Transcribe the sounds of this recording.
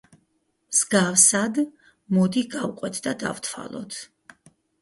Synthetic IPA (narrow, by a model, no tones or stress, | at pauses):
mz̥ɡafsad̪ | mɔd̪iɡavqʼwɛt̪ʰd̪ad̪a̰vt̪ʰwa̰lˠɔ̰t̪ʰ